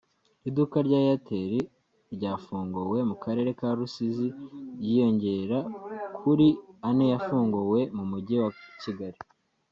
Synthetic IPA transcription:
idukaɾɟaːjatʰeɾi | ɾɟaːfuːŋɡowe̞mukaɾe̞ːɾe̞kaɾusizijijo̞ɲɟe̞ɾakʰuɾianejafuːŋɡowe̞mumuɟiwaciɡaɾi

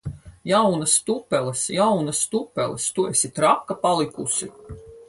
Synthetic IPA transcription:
jawnast̪upːɛlˠɛsjawnast̪upːɛ̰lˠɛst̪uesit̪ɾakkːapalˠikusi

